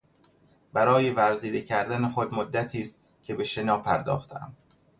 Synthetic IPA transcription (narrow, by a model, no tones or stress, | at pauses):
b̥æɾɒːje̞væɾziːd̪e̞cʰæɾd̪ænexod̪mod̪ːæt̪ʰiːst̪̚ | cʲʰe̞be̞ʃe̞nɒːpʰæɾd̪ɒ̰ːxt̪ʰeæ̰m